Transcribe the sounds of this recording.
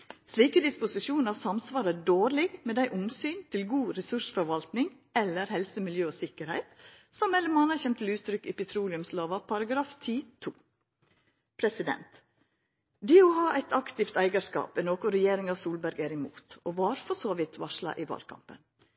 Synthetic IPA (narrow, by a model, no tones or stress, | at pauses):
sliːkəd̪ɪspʊsɪʃuːnəɑsɑmsʋɑːɾədoːɾlɪɡmeːd̪æɪʔʊnsyːnt̪ʰɪlɡuːɾɛsʉʂfɔɾʋɑlt̪nɪŋ | ɛlːəɾhɛlsəmɪljøːoːsɪkəɾhæɪt̪sɔmmɛlːəmmɑnɑçɛmt̪ʰːɪlʉːt̪ʰɾʏkːiːpɛt̪ʰɾuːlɪʉmsloːʋɑpʰɑɾɑɡɾɑːft̪ʰiːt̪ʰuː | pʰɾɛsɪd̪ɛ̰nt̪ | d̪iːoːhɑːʔæɪt̪ɑkt̪ɪft̪æɪɡɑskɑ̰ːpɛnoːkʊɾɛjeːɾɪŋɑsuːlbæɾɡæːɾɪmṵːt̪oːʋɑːɾfɔsoːʋɪt̪ʰʋɑʂlɑ̰ʔiːʋɑ̰ːlkʰɑ̰mpə̰n